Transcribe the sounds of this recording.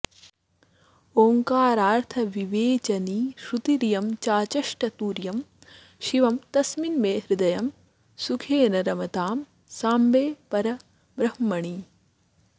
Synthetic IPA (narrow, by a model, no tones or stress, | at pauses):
oːŋkaːɾaːɾt̪ʰɐʋiʋeːt͡ʃɐniːʃɾut̪iɾjɐmt͡ʃaːt͡ʃɐʂʈɐt̪uːɾjɐm | ʃiʋɐmt̪ɐsminmeːɦɾɪd̪ɐjɐm | sukʰeːnɐɾɐmɐt̪aːm | saːmbeːpɐɾɐ | bɾɐɦmɐɳi